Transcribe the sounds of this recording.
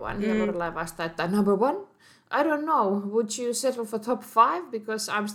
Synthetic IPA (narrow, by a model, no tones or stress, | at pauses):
wʌ̰̃nɛwɔɾəlaɪvast̪̚ðɨt̪̚ðɨtnʌ̃mbə˞wʌ̃n | ʔaɪɾõʊ̃nːoʊwəd͡ʒɨsɛɾl̩ˠfət̪ʰɔpfaɪvbɨkʰɔzã̰ɪ̃ms